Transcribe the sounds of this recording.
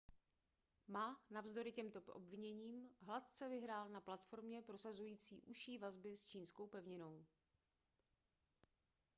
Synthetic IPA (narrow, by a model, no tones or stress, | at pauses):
maːnavzdo̞ɾɪcɛmt̪o̞ʔo̰bvɪɲɛɲiːmɦlat̪̚t͡sɛvɪɦɾaːlnaplat̪fo̞ɾmɲɛpɾo̞sazujiːt͡sḭːʔuʃiːvazbɪst͡ʃiːnsko̞wpɛvɲɪno̞w